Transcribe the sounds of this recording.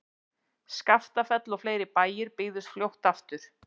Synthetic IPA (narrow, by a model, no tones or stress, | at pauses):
skaft̪afɛt̪lɔfleːjɾɪpaːjɪɾpɪːðʏst̪fljowht̪aft̪ʏɾ̥